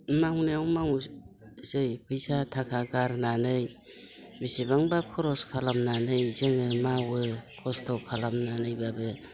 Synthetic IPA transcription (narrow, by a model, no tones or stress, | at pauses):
maɦuneawmaŋu | zɯjpʰɯjsatʰakʰaɡaɾnanɯj | bisibaŋbakʰɔɾɔskʰalamnanɯjzeŋɯmawɯkʰɔstʰɔkʰalamnanɯjbabɯ